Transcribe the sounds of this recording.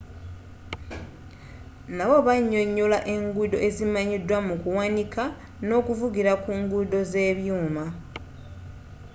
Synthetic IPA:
naβo̞βaɲːo̞ɲːolaʔe̞ŋɡudo̞̰ʔe̞zimaɲidwamukuwanika | no̞ːkuvuɡiɾakuŋɡudo̞ze̞ːβjuːma

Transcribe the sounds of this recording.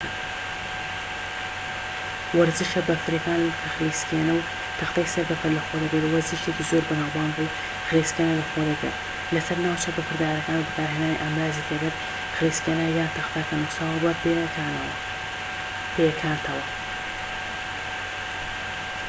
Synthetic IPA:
wɐɾzɨʃɐbɐfɨɾekaːnkʰɐxliskenɐw | t̪ʰɐxt̪ajsɐɾbɐfɐɾlɐxod̪ɐɡɐɾwɐɾzɨʃekizoɾbɐnaːwbaːnbu | xɨliskenɐlɐxod̪ɐɡɨ̰ɾ | lɐsɐɾnaːwt͡ʃɐbɐpʰɨɾd̪aːɾɐkaːnuwbɨkaːɾɦenaːniʔɐmɾaːzit̪ʰeɡɐɾ | xɨliːskeːnɐjaːt̪ʰɐxt̪aːkanusabɐbekaːnɐwɐ | pekʰaːnt̪ʰɐwɐ

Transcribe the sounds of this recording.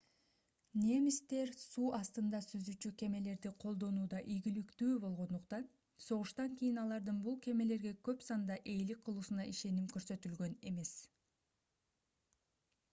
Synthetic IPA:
ne̞mist̪e̞ɾsuːʔɑst̪ɯnd̪ɑsyzyt͡ʃykʲe̞me̞le̞ɾd̪iqʰo̞lˠd̪o̞nuːd̪ɑʔijɡʲilykt̪yːbo̞lˠʁo̞nd̪uqt̪ɑn | so̞ʁuʃt̪ɑŋkijinɑlˠɑɾd̪ɯnbulˠke̞me̞le̞ɾɡe̞kø̞psɑnd̪ɑʔe̞jlik̚qʰːɯlˠuːsunɑʔiʃe̞nimkø̞ɾsø̞t̪ylɡø̞ne̞me̞s

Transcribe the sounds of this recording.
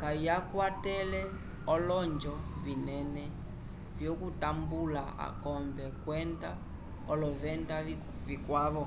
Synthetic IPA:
kajakwatɛlɛ | ɔlɔɲd͡ʒɔvinɛnɛ | vjɔkutambulaa̰kɔmbɛkwɛnda | ɔlɔvɛnda | vikwaβɔ

